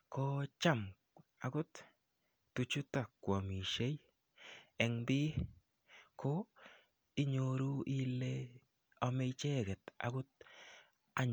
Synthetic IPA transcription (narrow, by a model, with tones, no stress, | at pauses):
ko˦t͡ʃa˦˨m | a˨ɡʊ˦t̪ː | u˨t͡ʃu˦t̪a˨kwa˨mi˨ʃe˦j | ɛ˨ŋbɪ˦ | ko˦ | i˦ɲo˨ɾu˦i˦le˦ | a˨me˦˧jt͡ʃe˦ɡɛ˨t̪a̰˨ɡʊ˦t̪̚ | a˦ɲ